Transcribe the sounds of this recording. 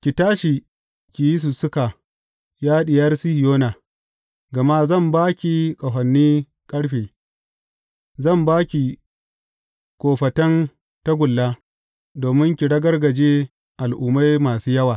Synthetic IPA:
kʲi˨taː˦ʃi˨ | kʲi˨ji˦s̬ʊ˨sʊ˦ka˨ | jaː˦ɗɪ˨jɐ˦rsi˦hi˨joː˦naː˨ | ɡɐ˨ma˦zɐ˦˨mbaː˦kʲi˨kʼɐ˨ɦɐ˨nːiː˦ | kʼɐ˦ɽɸeː˨ | zɐ˦˨mbaː˦kʲi˨ | kʷʼoː˨ɸɐ˨tɐ˦n | ta˦ɡʷʊ˨lːaː˦ | doː˨mɪ˦ŋkʲi˨ɽɐ˦ɡɐ˦rɡɐ˨d͡ʒeː˦ | ʔa˨lʔʊː˨ma˦jmaː˨suː˦jɐ˦waː˨

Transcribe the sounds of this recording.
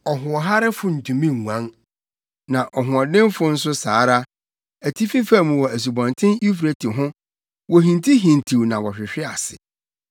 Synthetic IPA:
ɔ˨ɦʊ̃˨ɔ˨ɦa˦ɾɪ˦fʊ˦n̩˨tʰũ˨mĩ˦ŋ˨ŋʷ˨ã˦ŋ | nã˨ʔɔ˨ɦʊ̃˨ɔ˨dɪ̃˦mfʊ˦n̩˦s̬ʊ˦saː˨˦ɾa˦ | æ˨tʰi˦fi˦fæ˦˨mũ˨wɔ˨æ˨s̬u˨bɔ̃˨ntʰɪ̃˦ni˦fɾe˨tʰɪ˨ɦʊ̃˦ | wɔ˨ɦĩ˨ntʰi˦ɦĩ˨ntʰi˨wnã˨wɔ˨ɕᶣɪ˨ɕᶣɪ˦a˨sɪ̰˨

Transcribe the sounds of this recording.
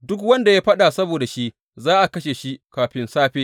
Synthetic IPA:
dʊ˦kwɐ˦nda˨jaː˦ɸɐ˦ɗa˨sɐ˦boː˨da˨ʃi˦ʔ | zaː˦ʔa˨kɐ˦ʃeː˨ʃi˦kaː˨ɸɪ˦nsaː˦ɸeː˦

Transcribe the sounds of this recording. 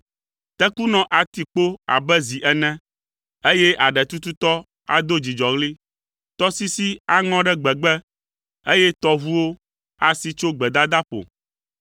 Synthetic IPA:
t̪ɛ˦ku˦nɔ̃˨ʔa˨t̪i˨k͡po˦a̰˨bɛ˦zi˨ʔɛ˨nɛ̃˦ | e˦jɛ˦ʔa˨ɖɛ˨t̪u˦t̪u˦t̪ɔ˦ | a̰˨d̪o˦d͡ʑi˨d͡ʒɔ˨ɣli˦ | t̪ɔ˦si˦si˦a˦ŋɔ̃˦ɖɛ˦ɡ͡bɛ˨ɡ͡bɛ˦ | e˦jɛ˦t̪ɔ˦βu˦wo˦ | a˦si˦t͡ʃo˦ɡ͡bɛ˨d̪a˦d̪a˦ɸo̰˨

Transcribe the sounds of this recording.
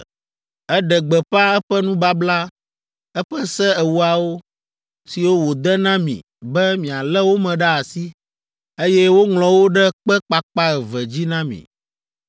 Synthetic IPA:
ɛ˦ɖɛ˨ɡ͡bɛ˨ɸa˦ɛ˦ɸɛ˦nũ˦ba˦bla˦ | ɛ˦ɸɛ˦sɛ˦ɛ˨wu˦a˨wo˦ | si˨wo˦wo˨d̪ɛ˦nã˦mḭ̃˨ | bɛ˦mĩ˨a˨lɛ˦wo˦mɛ̃˨ɖa˦a˨si˦ | e˦jɛ˦wo˦ŋlɔ̃˨wo˦ɖɛ˦k͡pɛ˦k͡pa˨k͡pa˦ɛ˨vɛ˨d͡ʑi˦nã˦mḭ̃˨

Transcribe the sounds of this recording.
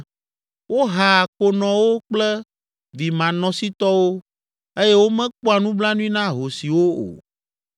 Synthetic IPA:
wo˦ɦa˨ko˨nɔ̃˨wo˦k͡plɛ˦ | vi˨mã˨nɔ̃˨si˦t̪ɔ˦wo˦ | e˦je˦wo˦mɛ̃˦k͡po˦a˨nũ˦bla˦nũ˦ĩ˦nã˦ɦo˨si˨wo˦o̰˨

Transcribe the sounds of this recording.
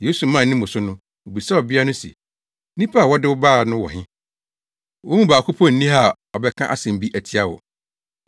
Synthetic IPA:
je˦su˨mã˦˨˦nɪ̃˦mʊ̃˨sʊ˦nʊ̃˦ | wo˨bi˨sa˦ɔ˨bɪ˦a˦nʊ̃˦sɛ̰˨ | nĩ˦pʰa˦a˨wɔ˦dɪ˦wʊ˦baː˦˨nʊ̃˦wɔ̰˨ɦɪ̃˦ | wɔ˦mũ˦baː˨kʰʊ˦pʰɔ˦˨n̩˦nĩ˦ɦa˨ | ɔ˨bɛ˦kʰã˦ʔa̰˦˨sɛ̃˨m̩˨bi˦ʔæ˨tʰi˦a˦wɔ̰˨

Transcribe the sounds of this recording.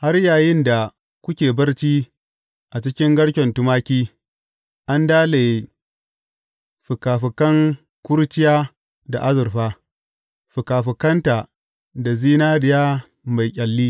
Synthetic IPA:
ha˦rjaː˨jɪ˦nda˨ | kʷʊ˦kʲeː˨bɐ˦rt͡ʃiː˦ | ʔa˨t͡ʃɪ˦kʲɪ˦ŋɡɐ˦ɽkʲɛ˨ntʊ˦maː˦kʲiː˦ | ʔa˦ndaː˦leː˨ | ɸʊ˨kaː˨ɸɪ˨kɐ˦ŋ | kʷʊ˦ɾt͡ʃɪ˦jaː˦ | da̰˨ʔa˦zʊ˨ɾɸaː˦ | ɸʊ˨kaː˨ɸɪ˨kɐ˦nta˨ | da˨ziː˦naː˦ɽɪ˨jaː˦ | ma˨jkʲʼɐ˨lːiː˦

